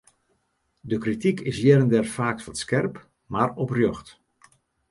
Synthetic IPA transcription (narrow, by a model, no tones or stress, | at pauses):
dəkritikʰɪsjɛɾəndɛrfaːk̚fɔtskɛrp | marɔprjøxt